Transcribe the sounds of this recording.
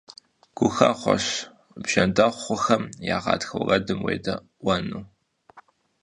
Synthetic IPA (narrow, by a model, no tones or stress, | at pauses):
ɡ̥ʷʊxaχʷɔ̰ɕ | bʒ̥ɐndɐχʷʊxɐmjaːʁɑ̰ːtxɐwrɐdɨmwḛːjdɐ | wɐnu